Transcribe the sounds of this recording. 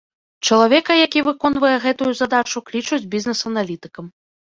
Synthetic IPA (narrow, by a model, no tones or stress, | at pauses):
t͡ʂɐlˠavʲɛkɐjakʲivɨkɔnvɐjɛɣɛt̪ujuzad̪at͡ʂuklʲit͡ʂud͡zʲbʲiznɛsɐnalʲit̪ɨkɐm